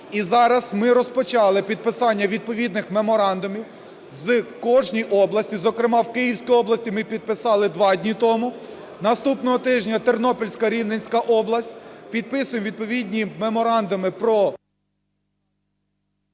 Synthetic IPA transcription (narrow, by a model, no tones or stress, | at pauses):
izɑɾɐzmɪɾɔspɔt͡ʃɑlˠɪpʲid̪̚pɪsɑnʲːɐʋʲid̪̚pɔʋʲid̪nɪxme̞mɔɾɑnd̪ʊmʲiw | zkɔʒnʲijʔɔblˠɐsʲtʲizɔkɾemɑwkɪjiwsʲkijɔblˠɐsʲtʲimɪpʲid̪̚pɪsɑlˠɪd̪ʋɑdʲnʲit̪ɔmʊ | nɐst̪upnɔɦɔt̪ɪʒnʲɐt̪ernɔpɔlʲsʲkɐɾʲiwnenʲsʲkɐʔɔblˠɐsʲtʲpʲid̪̚pɪsʊjmʋʲid̪̚pɔʋʲidʲnʲimemɔɾɑnd̪ʊmɪpɾɔ